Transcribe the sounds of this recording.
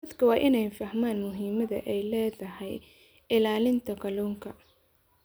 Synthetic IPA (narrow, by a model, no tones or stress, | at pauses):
ɐd̪kʰɐwɑːʔɪnɛjfɐhmaːnmʊɦiːmɐðɐ̰ʔɛjlɛːðɐɦɛj | ɪlaːlɪnt̪ʰɐkʰɐluːŋkʰɐ